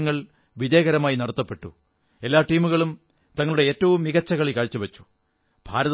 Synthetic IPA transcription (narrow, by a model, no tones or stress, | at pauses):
ŋːɐɭ | ʋiðeːɣɐɾɐmaːjinɐɽɐt̪ːɐpːe̞ʈːṵ | e̞lːaːʈiːmuɣɐɭum | t̪ɐŋːɐɭuɽe̞eːtːɐʋumːiɣɐt͡ɕːɐɣɐɭikɐɻit͡ɕːɐʋɐt͡ɕːu̥ | b̥ʱa̰ːɾɐð